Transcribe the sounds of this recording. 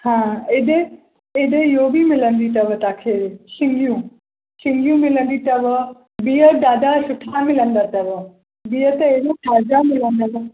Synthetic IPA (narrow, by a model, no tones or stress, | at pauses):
hãːed̪e | ed̪eɪɦobʱimɪlənd̪it̪ɐʋət̪aːkʰeːʃɪ̃ŋɡijũ | ɕɪ̃ŋɡijũmɪlə̃nd̪it̪ɐʋ | bijəd̪aːd̪asʊʈʰamɪlənd̪at̪ɐʋə | biːət̪ɐedoʈ̪ʰaːɾd͡ʑamɪlə̃nd̪aʋ